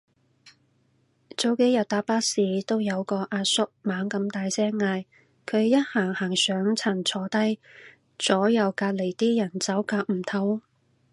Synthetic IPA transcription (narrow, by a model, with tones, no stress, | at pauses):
t͡so˨˧wke˨˥jɐ˨˩t̪aː˨˥paː˥siː˨˧t̪o˥wjɐ˨˧wkɔː˧ʔaː˧sʊ˥k̚maː˨˥ŋkɐ˨˧mt̪aː˨˧jsɛː˥ŋːaː˧j | kʰɵ˨˧ɥjɐ˥t̚haː˨˩ŋhaː˨˩ŋsœː˨˥ŋt͡sʰɐ˨˩nt͡sʰɔː˧t̪ɐ˥j | t͡sɔː˨˥jɐ˨˧wkaː˧t̚le˨˩jt̪iː˥jɐ˨˩nt͡sɐ˨˥wkaː˧k̚m̩˨˩t̪ʰɐ˨˥w